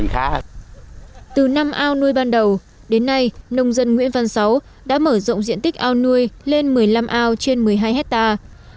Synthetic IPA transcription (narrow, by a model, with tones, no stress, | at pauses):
ŋxaː˦˥ | t̪ɨ˨˩na˧mʔaː˧wnu˧əjɓaː˧nɗə˨˩w | ɗe˨˦nːa˧jnə˧wŋ͡mzə˧nŋwḭ˧˥ənva˨˩nsa˨˦w | ɗa̰ː˧˥məː˧˩zə̰˧˨wŋ͡mzḭ˧˨ənt̪i˦˥k̟̚ʔaː˧wnu˧əjle˧nmɨ˨˩əjla˧mʔaː˧wt͡ɕe˧nmɨ˨˩əjɦaː˧jɦɛ˦˥k̚t̪aː˧